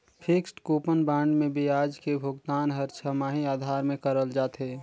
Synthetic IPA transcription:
pʰɪksʈkoːpənbãːɳɖmẽbiaːd͡ʒkebʱʊɡt̪aːnɦəɾt͡ʃʰəmaːɦiaːd̪ʱaːɾmẽkəɾəld͡ʒaːt̪ɦeː

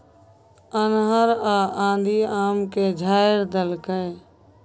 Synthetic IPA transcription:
ənɦəɾaːʔãːd̪iaːmked͡ʒʱaːɪɾd̪əlkəj

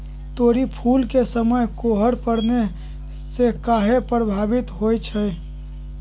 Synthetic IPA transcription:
t̪oːɾipʰuːlkesəməjkoːɦəɾpəɽne | sekaːɦepɾəbʱaːʋɪt̪ɦoːjt͡ʃʰɛ

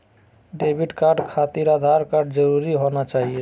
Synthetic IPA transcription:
ɖebʱiʈkaɾɖkʰat̪iɾad̪ʱaɾkaɾɖd͡ʒəɾuɾiɦonat͡ʃaɦie

